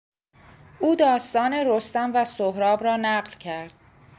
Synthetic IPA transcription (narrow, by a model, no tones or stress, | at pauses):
ʔuːd̪ɒːst̪ɒːneɾost̪ænvæsoɦɾɒːbɾɒːnæɢlcʰæɾd̪̥